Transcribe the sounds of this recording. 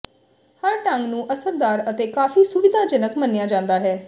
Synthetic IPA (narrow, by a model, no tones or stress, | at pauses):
həɾʈãŋɡnũːʔəsəɾd̪aːɾət̪eːkaːfiːsʊʋɪd̪ʱaːd͡ʒɪnəkmənːejaːd͡ʒãːnd̪aːɦɛː